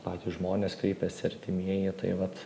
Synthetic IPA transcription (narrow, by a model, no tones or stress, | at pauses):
pɑːtʲuʒmoːnʲeːskɾʲɛɪpʲɛsʲɪɐɾʲt̪ʲɪmʲiɛjɪt̪ɐ̰ɪʋɐt̪